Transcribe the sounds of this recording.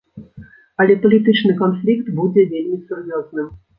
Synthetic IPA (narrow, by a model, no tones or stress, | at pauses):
ɐlʲɛpɐlʲit̪ɨt͡ʂnɨkɔnflʲikt̪bud͡zʲɛd͡zʲelʲmʲisurjɔznɨm